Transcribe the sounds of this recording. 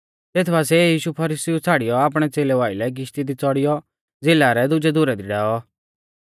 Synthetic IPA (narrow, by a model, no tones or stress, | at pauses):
t̪eːt̪ʰbas̬ɛjiːʃupʰɐɾɪːsiũt͡sʰaːɽijɔaːp̬ɽ̃ɛt͡seːlɛʋaːɪlɛɡ̬ɪʃt̪id̪it͡sɔɽɪjɔ | d͡zɪlaɾɛd̪ʊd͡ʒɛd̪ʊɾɛd̪iɖaːɔ